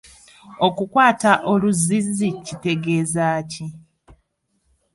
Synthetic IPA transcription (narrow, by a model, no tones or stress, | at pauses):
o̞kukwaːtaʔo̞luzizicite̞ɡe̞ːzaːci